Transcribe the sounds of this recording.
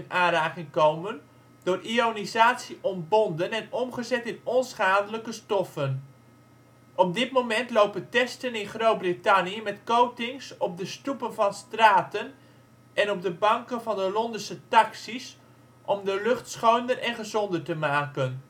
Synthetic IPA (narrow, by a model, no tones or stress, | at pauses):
ənʔaːɾaːkɪŋkowmən | d̥ʊːrʔionizaːtsiʔɔnbɔndənɛnɔmχəzɛtɪnɔnsχaːdələkəstɔfən | ʔɔb̚dɪtmomɛntlowpəntɛstənɪnχrowt̚britaniəmɛtkowtɪŋsɔp̚dəstupənvɑnstraːtən | ʔɛnɔb̚dəbɑŋkənvɑndəlɔndəsətɑksis | ʔɔmdəlɵχtsχowndərʔɛnχəzɔndərtəmaːkən